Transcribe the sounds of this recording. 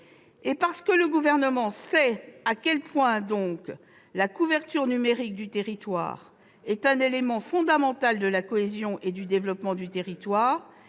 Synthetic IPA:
epaʁsə̥kələɡuvɛʁnəmɑ̃sɛakʲɛlpwɛ̃d̪ɔ̃k | lakuvɛʁt̪yʁnymeʁik̚d̪yt̪eʁit̪wa̰ːʁ | ɛt̪ɛ̃nelemɑ̃fɔ̃d̪amɑ̃t̪ald̪əlakɔezjɔ̃ʔed̪yd̪evlɔpmɑ̃d̪yt̪eʁit̪waːʁ

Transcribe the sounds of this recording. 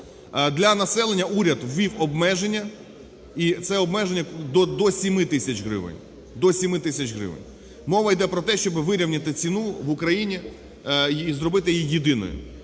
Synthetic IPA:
d̪lʲɐnɐsɛlˠenʲːɐʔuɾʲɐd̪wʋʲiwɔbmɛʒenʲːɐ | it̪sɛɔbmɛʒenʲːɐd̪ɔd̪ɔsʲimɪt̪ɪsʲɐt͡ʃɦɾɪ̰ʋɪ̰nʲ | d̪ɔsʲimɪt̪ɪsʲɐt͡ʃɦɾɪ̰ʋɪ̰nʲ | mɔʋɐjd̪ɛpɾɔt̪ɛʃt͡ʃɔbɪʋɪɾʲiwnʲɐt̪ɪt͡sʲinuʋʊkɾɐjinʲi | zɾɔbɪt̪ɪjijid̪ɪnɔ̰jʊ̰

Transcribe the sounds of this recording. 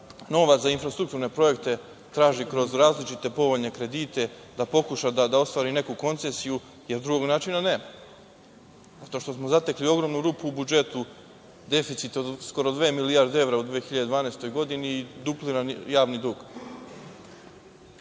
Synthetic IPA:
no̞ʋat̪zainfɾast̪ɾuk̚t̪uːɾne̞pɾo̞jekt̪e̞ | t̪ɾaːʒikɾo̞zɾaːzlit͡ʃit̪e̞po̞ʋoʎne̞kɾe̞d̪it̪e̞d̪apo̞kuʃad̪ad̪ao̞st̪ʋaːɾine̞kuko̞nt̪se̞siju | je̞ɾd̪ɾuɡo̞ɡnaːt͡ʃinane | zat̪o̞ʃt̪o̞smo̞zat̪e̞klio̞ɡɾo̞mnuɾuːpuːbud͡ʒe̞t̪u | d̪e̞fit̪sit̪osko̞ɾo̞d̪ʋeːmilijaɾd̪e̞ʋɾaud̪ʋeexiʎad̪e̞d̪ʋaːnest̪ojɡo̞d̪iniːd̪upliːɾanjaːʋnid̪uɡ

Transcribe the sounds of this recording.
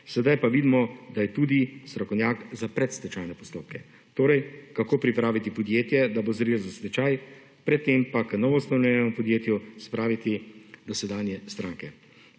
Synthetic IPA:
sɛd̪ajpaʋid̪imɔd̪ajɛt̪ud̪ist̪ɾɔkɔwnjaːkzapɾɛt̪st̪ɛt͡ʃajnɛpɔ̥st̪oːp̚kɛ | t̪oːɾɛjkakoːpɾipɾaːʋit̪ipɔd̪jeːt̪jɛd̪abozɾezast̪ɛt͡ʃaj | pɾɛt̪ːempaknɔːʋɔst̪ɔnɛnɔmpɔd̪jeːt̪juspɾaːʋit̪id̪ɔsɛd̪aːnjɛst̪ɾaːŋkɛ

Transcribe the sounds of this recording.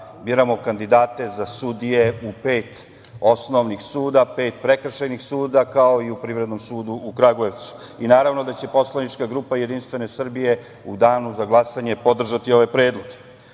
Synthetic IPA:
bjiɾamo̞kand̪id̪aːt̪e̞zasud̪ije̞upe̞ːt̪ | o̞sno̞ʋnixsuːd̪ape̞ːt̪pɾe̞kr̩ʃajnixsuːd̪akao̞iupɾiʋɾed̪nomsuːd̪uukɾaɡoe̞ʋt̪su̥ | inaːɾaʋno̞d̪at͡ɕe̞po̞slˠanit͡ʃkaɡɾuːpaje̞d̪inst̪ʋe̞ne̞sr̩bije̞ | ud̪aːnuzaɡlˠasaɲe̞po̞d̪r̩ʒat̪io̞ʋajpɾe̞ːd̪lˠo̞ɡe̥

